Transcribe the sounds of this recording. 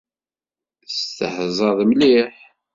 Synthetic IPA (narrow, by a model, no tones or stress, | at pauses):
st̪əhzˤɑðˤmliħ